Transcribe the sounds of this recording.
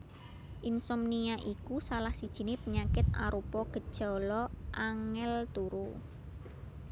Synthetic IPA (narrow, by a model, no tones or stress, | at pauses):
ʔinsɔmniaʔikusalahsid̥ʒ̥i̤nɪpəɲakɪt̪a̰ɾupɔɡ̥ə̤d̥ʒ̥ɔ̤lɔʔaŋɛlt̪uɾu